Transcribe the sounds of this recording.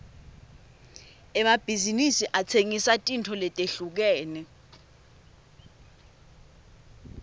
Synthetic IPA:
ɛmab̥ʱizinisiʔat͡sʰeŋisatʼintʰɔlɛtʼeɬuk̬ɛːnɛ

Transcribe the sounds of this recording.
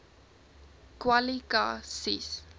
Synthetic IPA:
kwalika̰sis

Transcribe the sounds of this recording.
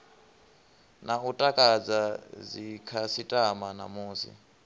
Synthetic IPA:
nautʼakʼad͡zazikʰasitʼamana̰muːsḭ

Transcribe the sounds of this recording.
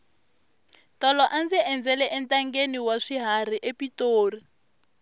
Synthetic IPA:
tɔlɔʔand͡ziɛnd͡zɛlɛʔɛntʼaŋɡeniwaʂiɦar̤iʔepitoːri

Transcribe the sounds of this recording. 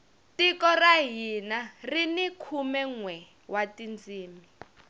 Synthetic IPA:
tikɔraɦinarinikʰumɛŋwɛ | watind͡ziːmi

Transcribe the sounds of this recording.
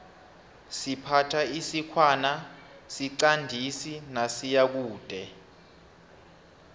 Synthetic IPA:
sipʰatʰaisikʰwana | siǀandʱisinasijak̬uːd̥ʱɛ

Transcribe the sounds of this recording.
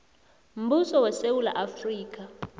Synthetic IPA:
m̩busɔwɛsewula̰ʔafriːk̬ʼa

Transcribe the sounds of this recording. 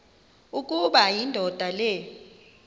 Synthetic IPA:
ukʼuɓajindʱɔd̥ʱalɛ

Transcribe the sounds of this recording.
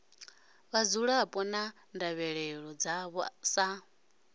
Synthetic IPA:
βad͡zuɺaːpʼɔna | ndaβɛɺɛɺɔd͡zaβsa

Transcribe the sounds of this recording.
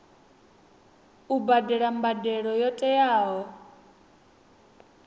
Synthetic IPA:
ubadɛɺambadɛɺɔjɔtʼɛjaːɦɔ

